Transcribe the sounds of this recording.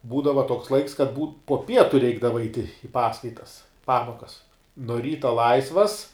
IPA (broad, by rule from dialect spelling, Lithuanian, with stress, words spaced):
ˈbuːdɐʋɐ toːks ˈlˠɐɪks kɐt muːm poː ˈpʲiɛtʊ ˈrʲɛɪɡdɐʋɐ ɐɪtʲ ɪ ˈpɑːskɐɪtɐs ˈpɑːmoːkɐs noː ˈrʲiːtɐ ˈlˠɐɪsʋɐs